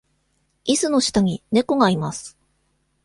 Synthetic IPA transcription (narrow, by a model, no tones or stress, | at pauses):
isɨno̞ɕi̥t̪aɲ̟ine̞ko̞ɡaimasɨ̥